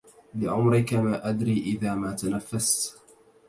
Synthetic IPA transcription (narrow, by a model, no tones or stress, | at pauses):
lɪʕʊmɾɪkamaːʔad̪ɾiːʔɪðaːmaːt̪anafːast̪